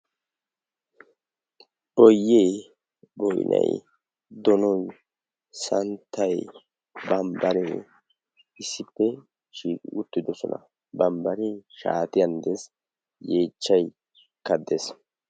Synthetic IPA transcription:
ʔɔjːeː | bɔjnʔɐ̰j | d̪ɔnɔj | sɐnt̪ʰːɐj | bɐmbɐɾi | ɪsːɪpːɛ | ʃiːkʼʊt̪ːɪd̪ɔsɔnɐ̰ | bɐmbɐɾiʃa̰ːt̪ɪjɐnd̪es | je̞ːt͡ʃːɐj | kɐd̪es

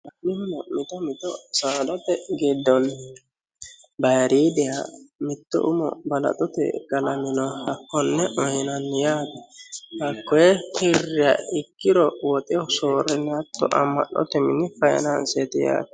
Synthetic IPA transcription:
ɐɪhʊnɔmɪt̪ɔmɪt̪ɔsaːd̪ɔt̪ɛɡɪd̪ːɔn | bɐjɐɾiːd̪ɪja̰mɪt̪ːɔ̰ʔʊmɔ̰bɐlɐ̰t̪ʼɔt̪ɛ̰ɡɐlɐmɪnɔhɐkːɔnːɛʔɔjɪnɐnːjaːt̪ɛhɐkːɔjɛhɪrːɪjaɪkːɪd̪ɔwɔt̪ʼɪɔsoːɾɛnːɛɐt̪ːɔ̰ʔɐ̰mːɐ̰ɗɔ̰t̪ɛmɪnːɪfɐjɛ̰nɐnsɛt̪ɪja̰ːt̪ɛ̥

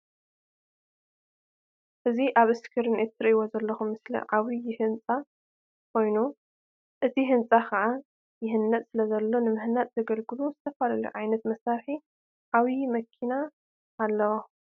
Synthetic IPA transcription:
ʔɨziʔaβɨskʰɨɾɨnit̪ʰːɨɾʔiwozɐlːɐxumːɨslḭʕawijɪhɨnt͡sʼa | kʰo̞jnu | ʔɨt̪ʰiɦɨnt͡sʼakʰɐʕa | jɪɦɨnːɐt̪ʼsɨlɐzɐlːo̞nɨmɨhnat̪ʼz̥ɐɡɐlɡɨluzɨt̪ʰɐfalɐlṵʕajnɐt̪mɐsaɾħi | ʕawimɐkʰinaː | lːɐwo

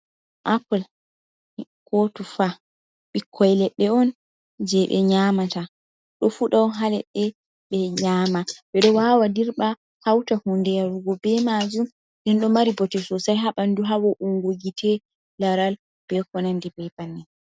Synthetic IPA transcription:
ʔapɔl | kʰotufa | ɓikʰːɔjlɛɗːɛɔn | d͡ʒɛɓɛ̰ɲamata | ɗɔfuɗaɔɦalɛɗːɛ | ɓɛɲamabɛɗɔwawadiɾɓa | hawtahundɛjaɾuɡɔbɛmad͡ʒum | dɛnɗɔmaɾibɔtɛsɔsajɦaɓanduɦawɔʔuŋɡoɡitʰɛ | laɾal | b̥ɛkɔnandibɛjbanːɛ

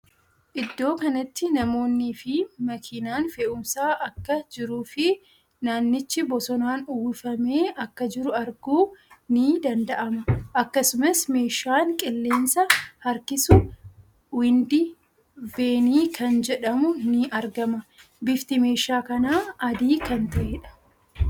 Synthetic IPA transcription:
ʔɪd̪ːo̞ːkɐnɐt̪ːɪnɐmo̞ːnːiːfɪmɐkʰinaːnfɛʔʊmsaːʔɐkːɐd͡ʒɪɾuːfɪ | naːnːɪt͡ʃːɪbɔsɔnaːnʊwʊfɐme̞ːʔɐkːɐd͡ʒɪɾʊɐɾɡuːnɪd̪ɐnd̪ɐʔɐmɐʔɐkːɐsʊmɐsme̞ːʃːaːŋkʼɪlːeːnsɐhɐɾkɪsʊ | wɪnd̪ɪ | be̞ːniːkʰɐnd͡ʒɛᶑɐmʊnɪʔɐɾɡɐmɐ | bɪft̪ɪme̞ːʃaːkɐnaːɐd̪iːkɐnt̪ɐʔeːᶑɐ̥

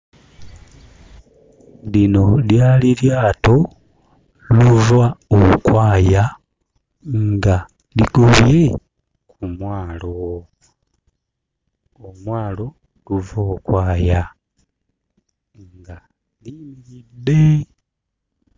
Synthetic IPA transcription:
lino̞ljaːliljaːto̞ | luvaokwaːja | ŋŋɡa | liɡoβje̞ | kʰumwaːlo | omwaːlo̞ | luvokwaːja | ŋɡa | limiɾidːe̞

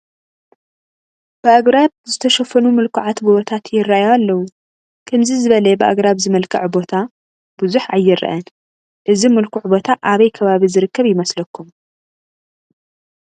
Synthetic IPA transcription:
b̥ɨaɡɾab̚zɨt̪ʰɐʃɐfɐnumɨlkʰuʕat̪bɨot̪ʰat̪ʰjɪrːajaalːɐwu | kʰɐmzizɨβɐlɐbɨʔa̰ɡɾaβzɨmɐlkʰɐʕbo̞t̪ʰa | b̥uzuħajːɪɾɐ̰ʔɐn | ʔɨzimɨlkʰuʕbo̞t̪ʰaʔaβɐjkʰɐβaβizɨɾɨkːɐβjɪmɐslɐkʰːum

